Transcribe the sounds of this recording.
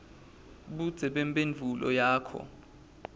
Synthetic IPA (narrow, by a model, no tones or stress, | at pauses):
ɓud̥z̥ʱɛɓempʼenvʱulɔ̰jaːkʰɔ̰